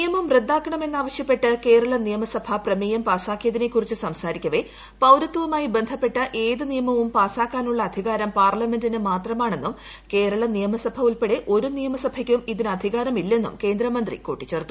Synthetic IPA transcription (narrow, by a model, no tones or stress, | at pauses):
nijɐmɐmred̪ːaːkːɐɳɐmenːaːʋɐɕjɐpːe̞ʈːɨke̞ːɾɐɭɐnijɐmɐsɐbʱɐprɐmijɐmpaːsaːkːijɐðinekːurit͡ɕːɨsɐmsaːɾikʲːɐʋe̞ | pɐwɾɐt̪ːɐʋumaːjibe̞nd̪ʱɐpːe̞ʈːɐʔeːðɨnijɐmɐʋumpaːsaːkːaːnuɭːɐːd̪ʱiɣaːɾɐmpaːrlɐme̞ndinɨmaːt̪rɐmaːɳe̞nːum | ke̞ːɾɐɭɐnijɐmɐsɐbʱɐuɭpeɽeʔo̞ɾunijɐmɐsɐbʱɐkʲːumiðinɨɐd̪ʱiɣaːɾɐmilːɐenːṵmke̞ːnd̪ɾɐmɐnd̪rḭkoːʈːit͡ɕːe̞ːrt̪ːu